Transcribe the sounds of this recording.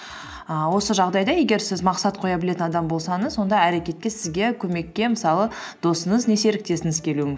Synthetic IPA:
əwo̞səʒɑʁd̪ɑjd̪ɑje̞ɡʲe̞ɾsɪzmɑqsɑt̪̚qʰo̞jɑbɪleɪnɑd̪ɑmbo̞lˠsɑɴəzwo̞nd̪ɑæɾe̞kʲe̞t̪̚kʲe̞sɪzɡʲe̞kʲʰɵme̞kʲːe̞məsɑlˠəd̪̥o̞səɴəzne̞se̞ɾɪk̚t̪e̞sɪŋɪzkʲʰe̞luɪŋɪz

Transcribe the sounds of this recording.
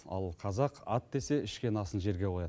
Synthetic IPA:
ɑ̰lˠqʰɑzɑqɑt̪̚d̪e̞se̞ɪʃkʲe̞nɑsənʒe̞ɾɡʲe̞wojɑ

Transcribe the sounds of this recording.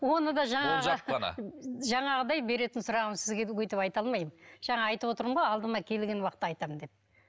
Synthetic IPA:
wo̞nəd̪ɑʒɑɴʁʒən̰ʒɑɴɑʁəd̪ɑjbe̞ɾe̞t̪ɪnsʊɾɑʁsɪzɡʲewɵjt̪ɪpɑjt̪ɑlˠmɑjmʒ̥ɑɴɑːjt̪əpwo̞t̪əɾəmʁojɑlˠd̪əmɑkʲʰe̞lɡʲe̞nwɑqə̥t̪ːɑɑjt̪ɑmənd̪e̞p̚

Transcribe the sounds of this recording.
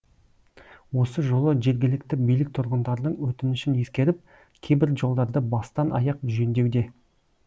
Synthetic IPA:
wo̞səʒo̞lˠəʒe̞ɾɡʲɪlɪkt̪ɪbijlɪk̚t̪ʰʊɾʁənd̪ɑɾd̪əɴwɵt̪ɪnɪʃɪne̞skʲe̞ɾɪp̚ | kʲʰejbɪɾʒo̞lˠd̪ɑɾd̪əbɑst̪ɑnɑ̰jɑq̚ʒɪʒend̪e̞wd̪e̞

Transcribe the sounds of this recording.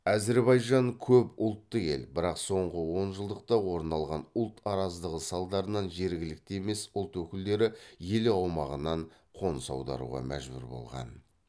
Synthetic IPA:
ɑze̞ɾbɑjʒɑŋkʲʰɵpʊlˠt̪ːəe̞̰lbɪɾɑqso̞ɴʁəwo̞nʒəlˠd̪əq̚t̪ɑwo̞ɾnɑlˠʁɑnʊlˠt̪ʰɑɾɑzd̪əʁəsɑlˠd̪ɑɾənɑnʒe̞ɾɡʲɪlɪk̚t̪eeme̞sʊlˠt̪wɵkʲɪld̪e̞ɾɪjeleɑwmɑʁənɑɴ | qʰo̞nsɑ̰wd̪ɑ̰ɾṵʁɑ̰mæ̰ʒbʏ̰ɾbo̞̰lˠʁɑ̰n

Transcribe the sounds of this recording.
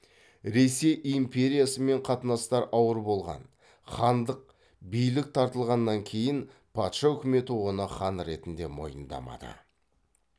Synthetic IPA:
ɾe̞se̞jimpʰʲe̞ɾʲijasəme̞ɴqʰɑt̪ənɑst̪ɑɾʔɑwəɾbo̞lˠʁɑ̰n | χɑnd̪əq̚ | bijlɪk̚t̪ʰɑɾt̪əlˠʁɑnːɑŋkʲʰe̞jɪnpʰɑt̪ʃɑʏkʲɪme̞t̪uʁənəχɑnɾe̞t̪ɪnd̪e̞mo̞̰jə̰nd̪ɑ̰mɑ̰d̪ə̰

